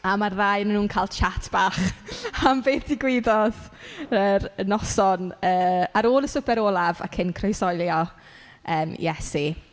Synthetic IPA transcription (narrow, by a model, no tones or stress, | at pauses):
amarːajnənːuːnkʰaːlˠt͡ʃʰatʰb̥aχambeːd̥ɪɡwɪdɔðəɾənɔsɔnəːaɾoːlˠəsʊbɛɾoːlˠava̰kʰɪnkʰrɔjsɔjlˠjɔ | əːmjɛsi